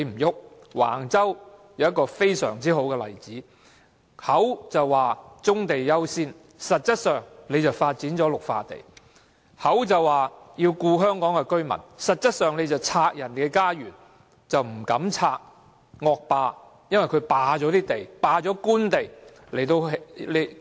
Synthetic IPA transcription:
le˨˧jm̩˨˩jʊ˥k̚ | wa̰ː˨˩ŋt͡sɐ˥wjɐ˨˧wjɐ˥t̚kːɔː˧fe˥jsœ̰ː˨˩ŋt͡siː˥ho˨˥wkɛ˧lɐ̰˨˩jt͡siː˨˥ | hɐ˨˥wt͡sɐ˨wwaː˨˩t͡sʊ˥ŋt̪e˨jjɐ˥wsiː˥n | sɐ˨t̚t͡sɐ˥t̚sœː˨˩ŋle˨˧jt͡sɐ˨wfaː˧t̚t͡siː˨˥nt͡sɔː˨˥lʊ˨k̚fa̰ː˧t̪ḛ˨˩j | hɐ˨˥wt͡sɐ˨˩waː˨jiː˧wkuː˧ɦœː˥ŋkɔː˨˥ŋkɛ˧kɵ˥ɥmɐ̰˨˩nsɐ˨˩t̚t͡sɐ˥t̚sœː˨˩ŋle˨˧jt͡sɐ˨wt͡sʰaː˧k̚jɐ˨˩nkɛ˧kaː˥jyː˨˩n | t͡sɐ˨wm̩˨˩kɐ˨˥mt͡sʰaː˧k̚ | ŋɔː˧k̚paː˧ | jɐ˥nwɐ˨˩jkʰɵ˨˧paː˨˧t͡ʃɔː˨˥t̪iː˥t̪e˨jpaː˨˧t͡ʃɔː˨˥kuː˥nt̪e˨j | le˨˩jt̪o˧wɦle˨˧

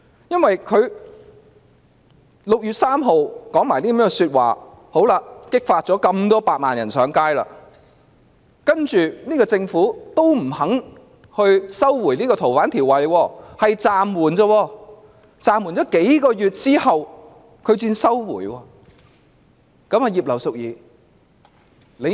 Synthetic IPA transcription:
jɐ˥nwɐ˨jkʰɵ˨˧ɥ | lʊ˨k̚jyː˨˧t̚saː˥mɦo˨˧wkɔː˨˥ŋmaː˨˩niː˥m˨m˥˧syː˧t̚wa̰ː˨ | ho˨˥wlaː˧kɪ˥k̚faː˧t̚t͡sɔː˨˥kɐ˧mt̪ɔː˥paː˧t̚ma̰ː˨njɐ˨˩nsœː˨˥ŋkaː˥jla̰ː˧ | kɐ˥nt͡ʃyː˨niː˥kɔː˧t͡sɪ˧ŋfuː˨˥t̪o˥wm̩˨˩hɐ˨˥ŋ | hɵ˧ɥsɐ˥wwuː˨˩jniː˥kɔ˧t̪ʰo˨˩wfaː˨˥nt̪ʰiː˨˩wɐ˨jwɔː˧hɐ˨jt͡saː˨mwuː˨˩nt͡sə˧wɔː˧ | t͡saː˨mwu˨˩nt͡ɕɔː˨˥ke˨˥jkɔː˧jyː˨t̚t͡siː˥hɐ˨w | kʰɵ˨˧ɥt͡siː˧nsɐ˥wwṵː˨˩jwɔː˧ | kɐ˨˥ma˨˩jiː˨p̚lɐ˨˩wsʊ˨k̚jiː˨˧ | le˨˧

